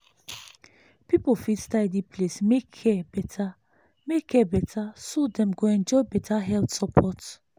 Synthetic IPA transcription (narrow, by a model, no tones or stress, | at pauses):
pipɔfit̪st̪ajd̪iplesmikʰɛbɛta | mekɛbɛtʰasud̪ɛ̃mɡɔɛnd͡ʒɔbɛt̪ʰaɦɛlt̪sɔpʰɔt